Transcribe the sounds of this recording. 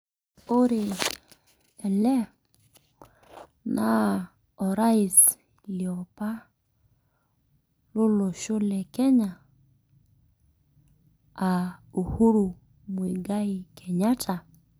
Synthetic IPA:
o˦ɾe˨ | ɛ˨lɛ˦ | na˦ | ɔ˨ɾa˦i˨s | li˨ɔ˨pa˦ | lo˦lo˨ʃo˦lɛ˨kɛ˦ɲa˨ | o˨hu˦ɾu˨ | mwe˨ɡa˦i˨kʰɛ˨ɲa˦tʰa˨

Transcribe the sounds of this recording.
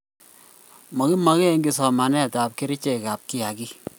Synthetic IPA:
mɔ˨ki˦ma˨ke˦ŋɡi˨sɔ˨ma˨nɛ˦˨ta˨p̚ke˦ɾi˦t͡ʃe˨ka˨p̚kɪ˦ja˨ki˦

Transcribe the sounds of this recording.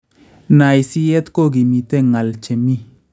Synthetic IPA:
na˨jsi˦jɛ˦tko˦ɡi˨mi˨te˦ŋa˨lt͡ʃe˨mi˦

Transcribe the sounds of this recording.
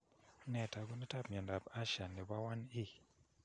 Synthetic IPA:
nɛ˨ta˨ɡu˦ni˦ta˦pmjɔ˨nda˨pa˦ʃa˨ni˨ba˦wa˦ni˦

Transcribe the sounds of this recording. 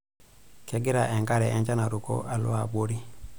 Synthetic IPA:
kɛ˦ɡi˦ɾa˨ʔɛ˨ŋɡa˦ɾɛ˨ʔɛ˦ɲd͡ʒa˦na˨ɾu˨ko̰˦ʔa˨lʊ̰˦a˨ɓo˦ɾi˦

